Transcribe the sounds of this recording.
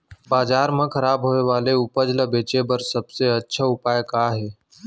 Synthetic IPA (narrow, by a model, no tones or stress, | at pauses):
baːd͡ʒaːɾmə̃kʰəɾaːbɦoːeʋaːleʊpəd͡ʒləbeːt͡ʃebəɾsəbseətːʃʰəʊpaːjkaɦeː